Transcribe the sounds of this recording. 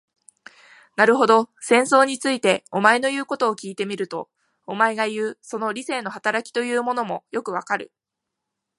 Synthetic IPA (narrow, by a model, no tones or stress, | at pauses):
naɾɯ̟ɦo̞d̪o̞sẽ̞ɰ̃so̞ːɲ̟it͡sɨit̪e̞omae̞no̞jɯ̟ːko̞t̪oːkʲiːt̪e̞mʲiɾɯ̟t̪o̞̰ː | mae̞ɡajɯ̟ːso̞no̞ɾʲise̞ːno̞hat̪aɾakʲi̥t̪o̞jɯ̟ːmo̞no̞mo̞jo̞kɯ̟βakaɾɯ̟̰